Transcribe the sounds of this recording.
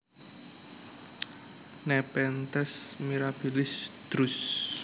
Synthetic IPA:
nɛpɛnt̪ɛsmiɾabulɪsd̪̥ɾʊs

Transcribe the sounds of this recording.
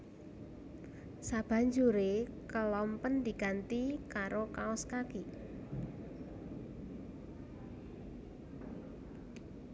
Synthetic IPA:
sab̥a̤ɲd͡ʒuɾekəlɔmpənd̪i̤ɡ̥a̤nt̪ikaɾokaɔskaki

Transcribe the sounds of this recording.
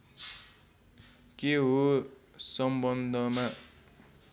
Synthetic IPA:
keɦosʌmbʌnd̪ʱʌma

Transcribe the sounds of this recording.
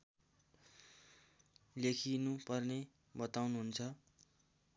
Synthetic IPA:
lekʰinupʌrne | bʌt̪awnuɦunt͡sʰʌ

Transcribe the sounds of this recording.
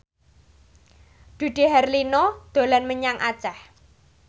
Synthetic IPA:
d̪̥ṳd̪̥i̤ɦɛrlinɔd̪̥o̤lanməɲaŋʔat͡ʃɛh

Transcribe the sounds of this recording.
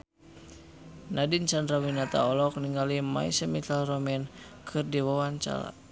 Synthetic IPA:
nadint͡ʃandɾawinat̪a̰ɔlɔk̚niŋɡalima̰isɛmit̪alrɔmɛn | kʰɨrdiwawaɲt͡ʃa̰ɾa̰

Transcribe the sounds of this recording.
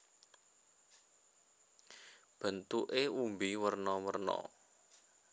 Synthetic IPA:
b̥ə̤nt̪uʔeumbiwərnɔwərnɔ̰

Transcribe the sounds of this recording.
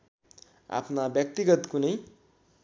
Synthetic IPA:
a̰pʰnabjʌk̚t̪iɡʌt̪kunʌj

